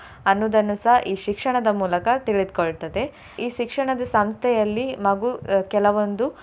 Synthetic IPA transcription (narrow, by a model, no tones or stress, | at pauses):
ɐnːuːd̪ɐnːusɐɦʔiːʃikʂɐɳɐd̪ɐmuːlɐkɐt̪iɭid̪koɭt̪ɐd̪e̞ | iːʃikʂɐɳɐd̪ɐsɐmst̪ʰɛjɐlːimɐɡuːkɛlɐʋond̪u